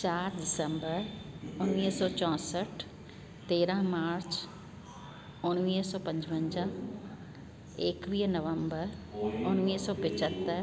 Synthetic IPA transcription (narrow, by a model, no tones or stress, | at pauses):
t͡ʃaːɾd̪ɪsə̃mbəɾʊnʋiːsɔːt͡ʃɔ̃ːsəʈʰ | t̪eːɾãɦmaːɾt͡ʃ | ʊñʋiːsɔːpɐ̃ɲd͡ʒʋə̃ɲd͡ʒã | eːkʋiːnəʋə̃mbəɾʊnʋiːsɔːpɪt͡ʃət̪ːəɾ